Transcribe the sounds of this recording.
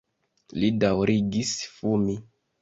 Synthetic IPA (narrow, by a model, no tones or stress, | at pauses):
lidawɾiɡisfumi